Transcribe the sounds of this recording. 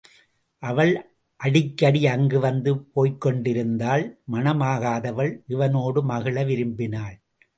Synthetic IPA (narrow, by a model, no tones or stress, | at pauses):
ʔɐʋɐɭ | ʔɐɽɪkːɐɽiɐŋɡɯʋɐnd̪ɯpoːjkːɔɳɖɪɾɯnd̪aːlmɐnɐmaːɣaːðɐʋɐɭʔɪʋɐnoːɽɯmɐɣɪɭɐʋɪɾɯmbɪnaːɭ